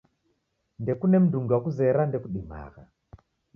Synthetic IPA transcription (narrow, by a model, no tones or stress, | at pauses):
ndɛkunɛm̩duŋɡiwakuzɛɾandɛkuɗima̰ɣa̰